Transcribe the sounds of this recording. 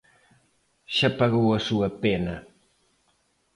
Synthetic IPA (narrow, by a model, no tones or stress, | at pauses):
ʃapaɣowɐsuɐpenɐ